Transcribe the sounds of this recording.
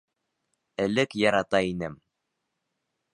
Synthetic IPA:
ɘ̆lɘkjɑɾɑt̪ɑinɘm

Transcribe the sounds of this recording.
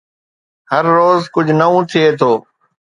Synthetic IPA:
həɾːoːzkʊd͡ʒʱnəũːt̪ʰɪeːt̪ʰoː

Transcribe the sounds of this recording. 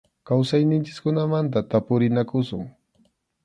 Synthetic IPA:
kawsajnɪnt͡ʃɪ̥skʊnamant̪at̪apʊɾɪnakʊsʊŋ

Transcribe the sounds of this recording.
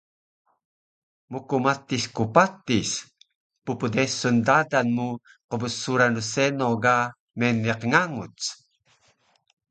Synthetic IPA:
mukumat̪iskupat̪is | pupədesundadanmu | qəbəsuɾanɾusɛnoɡa | mɛniqŋaŋut͡s

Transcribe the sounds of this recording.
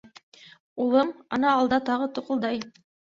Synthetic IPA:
ulˠɤmɑnɑːlˠd̪ɑt̪ɑʁɤt̪uqɤ̆lˠd̪ɑj

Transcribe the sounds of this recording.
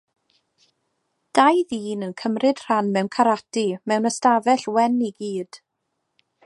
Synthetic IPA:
d̥ajðiːnənkʰəmrɨd̥r̥anmɛwnkʰaɾatimɛwnəstavɛɬwɛniɡiːd̥

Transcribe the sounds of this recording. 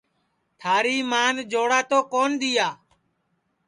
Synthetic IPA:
t̪ʰaːɾiːmaːnd͡ʒoːɽaːt̪oːkoːnd̪iːaː

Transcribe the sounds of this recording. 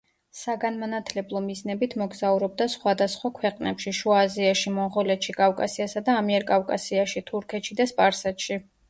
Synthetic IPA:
saɡanmanat̪ʰlɛblˠɔmiznɛbit̪ʰmɔɡzauɾɔb̚d̪asχwad̪asχwakʰwɛqʼnɛpʃiʃuaziaʃimɔnʁɔlɛt̪ʃikʼafkʼasiasad̪aːmiɛɾkʼafkʼasiaʃit̪ʰuɾkʰɛt̪ʃid̪aspʼaɾsɛt̪ʃi

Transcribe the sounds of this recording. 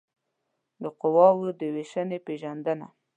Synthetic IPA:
d̪əqʊwɑwəd̪əweʃənepeʒand̪əna̰

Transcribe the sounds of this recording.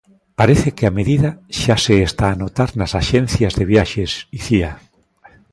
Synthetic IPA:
paɾeθekeameðiðaʃaseest̪aːnot̪aɾnasaʃenθjazðeβjaʃesiθia

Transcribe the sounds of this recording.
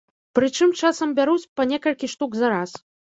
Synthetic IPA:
pɾɨt͡ʂɨmt͡ʂasɐmbʲaɾut͡sʲpɐnʲɛkɐlʲkʲiʂt̪uɡzɐɾas

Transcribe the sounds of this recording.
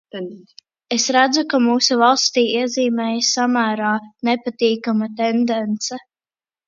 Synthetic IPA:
esɾæd̪zukamuːsuvalˠst̪iːiɛziːmɛːjssamæːɾaːnepat̪iːkamat̪ɛnd̪ɛnt̪sɛ

